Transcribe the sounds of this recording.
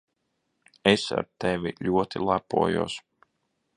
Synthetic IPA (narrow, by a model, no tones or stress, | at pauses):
esa̰ɾt̪evʲiʎʲuɔt̪ilˠapṵɔjṵɔs